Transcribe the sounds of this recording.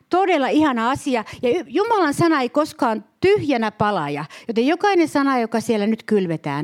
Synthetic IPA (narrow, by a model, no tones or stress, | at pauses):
t̪odelːɑihɑnɑɑsiɑjɑyjumɑlɑnsɑnɑeikoskɑːnt̪yhjænæpɑlɑjɑ̰jot̪ejjokɑinensɑnɑjokɑsielːˑænyt̪kylʋet̪æ̰ːn